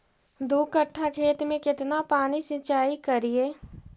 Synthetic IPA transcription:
d̪uːkəʈʰːakʰeːt̪mẽkɪt̪napaːnisɪ̃t͡ʃaːikəɾieː

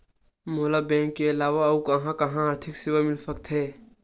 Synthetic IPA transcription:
moːlabɛ̃ːŋkːeɐlaːʋaukɐɦãkɐɦãəɾt̪ʰɪksɪwamɪlsək̚t̪ʰɦeː

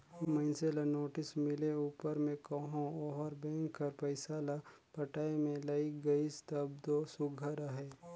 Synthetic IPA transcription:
məɪnseːlanoːʈɪsmɪleuːpəɾmẽkɐɦõɔɾbɛ̃ːŋkːɐɾpɐɪsaːla | pɐʈaːemẽlaiɡɐist̪ɐb̚d̪osʊɡʱəɾaɦɛː

